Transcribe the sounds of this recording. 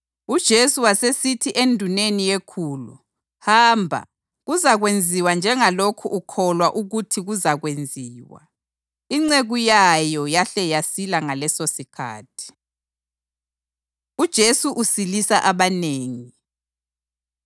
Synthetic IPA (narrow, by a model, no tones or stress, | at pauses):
ud̥ʒ̥ʱesuwasesitʰiʔendʱunenijekʰuːlṵ | haːmbʱa̰ | ɣuzaɣwend͡zʱiwand͡ʒʱɛŋalokʰuʔukʰɔlwaʔuɣutʰiɣuzaɣwend͡zʱiːwa̰ | iŋ͡ǀeɣujajɔjaɬɛjasilaŋalɛsosikʰa̰ːtʰi̥ | ud̥ʒ̥ʱesuʔusilisaʔaβaneːŋi